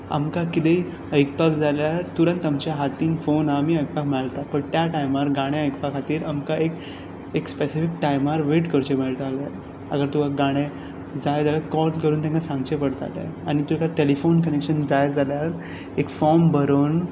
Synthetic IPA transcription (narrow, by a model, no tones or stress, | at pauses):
a̰mkakit̪ej | əjkpakd͡zaljaɾt̪uɾə̃nt̪amt͡ɕjaɦat̪iːnfonamiːəjk̚pakməɭalt̪at̪pəɳt̪jaʈajmaɾɡãɽ̃ẽəjkpakʰat̪iːɾamkaek | ekspesifikʈajmaɾʋeʈkəɾt͡ɕem̤əɭt̪alaɾ | a̰ɡəɾt̪uʋaɡaɽ̃e | d͡zajd͡zaljakɔlkəɾuːnt̪ẽŋkasãŋɡt͡ɕepəɽt̪a̰t̪a̰aɽ̃it̪uekaʈelifonkənekɕənd͡zajd͡zaljaɾ | ekfɔɾmbʱəɾən